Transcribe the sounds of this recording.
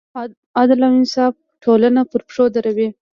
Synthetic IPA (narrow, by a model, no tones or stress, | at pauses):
ɑd̪ɪlaminsɑb̚ | ʈʰolanapəɾpʂod̪aɾawi